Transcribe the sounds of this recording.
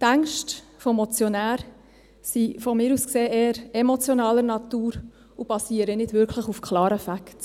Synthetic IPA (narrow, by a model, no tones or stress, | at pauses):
tæŋkʃt | fɔmɔt͡sjɔnæːɾ | sifɔmɪːɾuskseːeːəɾɛmɔt͡sjonɑːləɾnɑtuːɾ | ub̥ɑsiːəɾənɪd̥ʋʏɾkʰləχufkʰlɑːɾəfakt